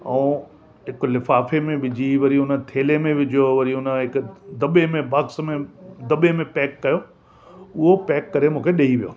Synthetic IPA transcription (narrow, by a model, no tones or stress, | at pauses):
ɛ̃ː | ɦɪklɪfaːfemẽʋɪd͡ʑʱiʋɐɾiʊnə̆t̪ʰeːlemẽʋɪd͡ʑʱjoʋɐɾiʊnə̆ɦɪkd̪ɐɓemẽbʱɐksmẽd̪ɐɓemẽpɛːkːɐjo | ʊɦopɛːkːɐɾemũːkʰeɗeiʋijo̰ː